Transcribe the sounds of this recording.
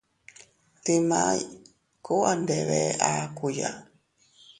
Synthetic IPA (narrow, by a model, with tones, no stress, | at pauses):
te˦ma̰j | kʰo˦ʔandɛβɛ˦aku˨ja̰˨